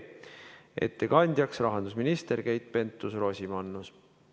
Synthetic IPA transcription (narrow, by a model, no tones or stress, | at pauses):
ḛt̪ːekɑnʲd̪̥ʲjɑksrɑɦɑnd̪usminist̪e̞ɾkejt̪̚ːˑpe̞nt̪ːˑusro̞ːsʲimɑnːus